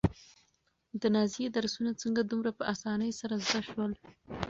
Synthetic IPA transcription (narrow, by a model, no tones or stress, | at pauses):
d̪ənɑzijed̪aɾsunat͡səŋɡad̪umɾapəʔasɑnəjsaɾazd̪aʃwəl